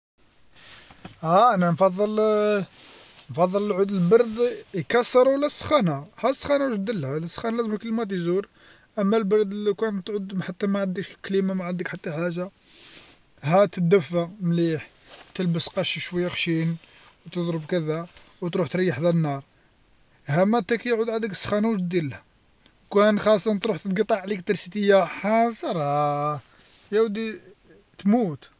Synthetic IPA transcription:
hæʔnænfɑðˤːəl | nfɑðˤːəlʕud̪əlbɑɾˤd̪jkɑsːəɾˤwlːæsˤːxænahæsˤːxænawʃ̚d̪əlːhælsˤːxænlæzməkːəlmæt̪̬izuɾ | ʔəmːælbɑɾˤd̪likænt̪ʕʊd̪mħat̪ːæmæʕənd̪iʃklimamaʕənd̪ikħat̪ːaħaʒa | hæt̪əd̪əfːamliħ | t̪əlbəsqɑʃiʃwəjːaxʃin | wt̪əd̪ˤɾəbkæd̪æwt̪ɾuħt̪ɾɑjːəħd̪ænənɑɾˤ | hæmæt̪ækijʕud̪ʕand̪əkəsːxænuʒd̪ilhæ | wkænxɑsˤːɑnt̪ɾuħt̪əd̪ɡt̪ˤːɑʕlikt̪ɑɾsit̪əjːaħɑsˤɑɾˤ | jæwd̪i | t̪mut̪

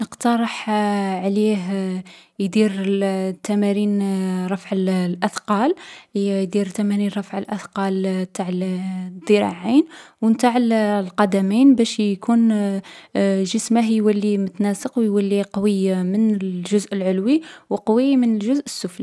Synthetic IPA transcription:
nəqt̪ɑɾˤəħʕliɦ | jd̪iɾt̪æmæninɾˤɑfʕəllʔɑθqɑljd̪iɾt̪æmæninɾˤɑfʕəlʔɑθqɑlt̪ʰaʕəld̪ˤəɾˤɑ̰ʕinwənt̪aʕllqɑd̪æminbæʃjkʰun | ʒəsməɦjwælːimʊt̪næsəqwjwəlːiqɑwəjːamənəlʒʊzʔəlʕʊlwiwqɑwəjːamənəlʒʊzʔəsːʊfli

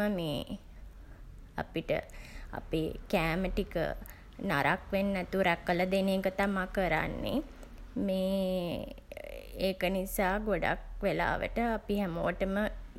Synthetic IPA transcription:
əmḛː | a̰piʈə̰a̰peːkæːməʈikə̰ | naɾʔakʋenːɛt̪uɾækːələd̪eneːkət̪amakəɾa̰nːḛ | meː | eːkənisaːɡoɖa̰kʋela̰ːʋə̰ʈəapiɦæmoːəʈəmə

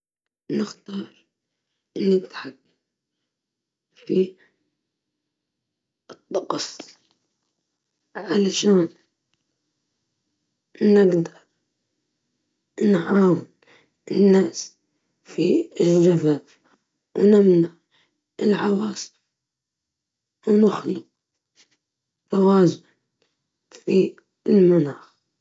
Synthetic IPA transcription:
nɪxt̪ɑːɾˤ | nːɪt̪ħak̚ | fi | ɨt̪ˤːɑqsˤ | ʕalaʃaːn | nɪɡd̪a | nʕaːwɪn | ɪnːaːs | fiɪld͡ʒavab | wnɪmnaʕ | ɪlʕawɑːs | wnɪxli | ɾˤɑwaːzʊn | fi | ɪlmanaːx

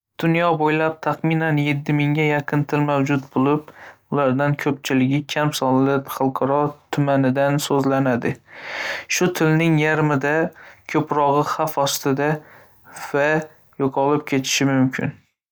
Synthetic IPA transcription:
d̪̥ʊnjɒbojlap̚t̪ʰaχmɪnanje̞t̪ʰːɪmɪŋʲajaqʰɨnt̪ʰɪlmawd͡ʒʊt̪̚bolˠɪp̚ʊlaɾd̪ankʲʰɵp̚t͡ʃʰɪlɪɡʲɪkʲʰamsɒllɪpχɑlˠqʰɑɾɒt̪ʰʊmanɪd̪ansɵzlanad̪ɪ | ʃʊt̪ʰɪlnɪŋjaɾmɪd̪akʲʰɵpɾɒʁɨχafɒst̪ɪd̪a | va | joqʰɒlˠɪp̚kʲʰe̞t̪ʰɪ̥ʃɪmʊmkʲʰɪ̰n

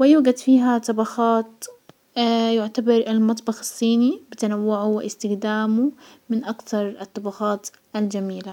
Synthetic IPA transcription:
wɪjuːɡad̪fiːɦat̪ˤɑbɑxɑːt̪ | jʊʕt̪abɑɾˤɪlmɑt̪ˤbɑxɪsˤːiːnibɪt̪anawːʊʕʊwɪʔɪst̪ɪxd̪aːmumɪnʔakt̪ɑɾˤɪt̪ˤːɑbɑxɑːt̪ | ʔald͡ʒamiːla

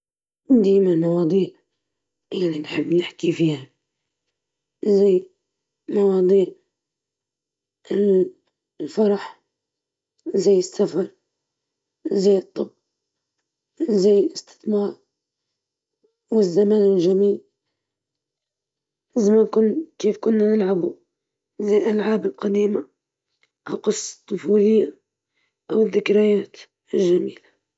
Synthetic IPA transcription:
d̪ajmalmɑwɑːd̪ˤiːʕ | jaʕninħɪbːnɪħkifiːha | zajː | mɑwɑːd̪ˤiːʕ | ɪl | lfɑɾˤɑħ | zajːɪsːafɑɾˤ | zajːɨt̪ˤːɨb | zajːɪlɪst̪ɪ̥θmɑːɾ | wɪzːamaːnɪlʒamiːl | ɪzamːankʊnkeːfkʊnːanɪlʕabu | zajːlʔalʕaːbɪlqɑd̪iːma | ʔawqɨsˤːt̪ˤːʊfuːlɪjːa | ʔawɪðːɪkɾajaːt̪ | ɪlʒamiːla

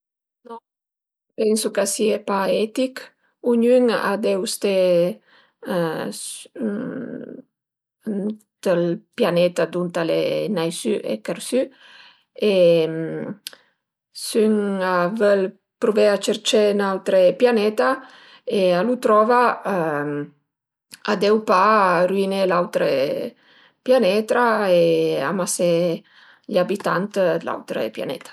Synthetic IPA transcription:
nɔ | pɛnsukasiepaɛt̪ik | uɲyŋa̰d̪eust̪e | td̪̥əlpjanɛt̪ad̪unt̪alḛnajsyʔḛkeɾsy | em | syŋavɛl | pɾuveat͡ʃeɾt͡ʃenawt̪ɾepjanɛt̪a | ealut̪ɾɔva | ad̪ɛwpaɾuinelawt̪ɾe | pjanɛt̪ɾaea̰mase | ʎabit̪ant̪la̰wt̪ɾḛpja̰nɛ̰t̪ḁ

